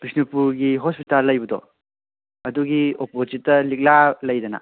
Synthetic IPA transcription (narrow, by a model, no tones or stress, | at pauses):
b̥isnipuɾɡiɦospitalːɐjbɐdɔ | ɐduɡiopozit̚ːɐlik̚lalɐjdɐnɐ̰